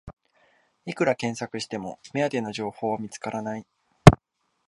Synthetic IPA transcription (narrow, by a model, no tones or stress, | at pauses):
ikɯ̟ɾakẽ̞ɰ̃sakɯ̟ɕi̥t̪e̞mo̞̰mead̪e̞no̞ʑo̞ːho̞ːβamʲit͡sɨ̥kaɾanai